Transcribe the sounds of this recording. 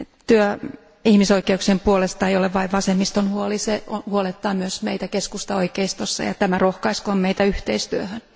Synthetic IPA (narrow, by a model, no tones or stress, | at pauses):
t̪yø | ihmisoikeuksempuolest̪ɑeijoleʋʋɑiʋʋɑsemːist̪onhuoliseonhuolet̪ːɑːmyøsmeit̪ækeskust̪ɑoikeist̪osːɑ̰jɑ̰t̪æmærohkɑiskommeit̪æyht̪eist̪yøhøn